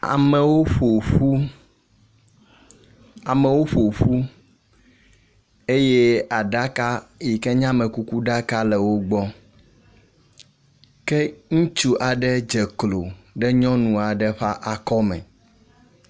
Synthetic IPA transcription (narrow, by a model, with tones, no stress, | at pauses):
a̰˨mɛ˨wo˦ɸo˨ɸu˦ | a˨mɛ˨wo˦ɸo˨ɸu˦ | e˦je˦a˨ɖa˦ka˦ji˨kɛ˦ɲã˦mɛ̃˨ku˦ku˦ɖa˦ka˦lɛ˨wo˦ɡ͡bɔ˦ | kɛ˦ŋũ˦t͡ʃu˦ʔa˨ɖɛ˦d͡ʒɛ˨klo˨ɖɛ˦ɲɔ̃˦nũ˨a˨ɖɛ˦ɸa˦ʔa˨kɔ˦mɛ̰̃˨